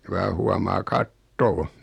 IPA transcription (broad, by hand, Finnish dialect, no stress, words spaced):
ku ʋɑː huɑmɑː kɑtːoː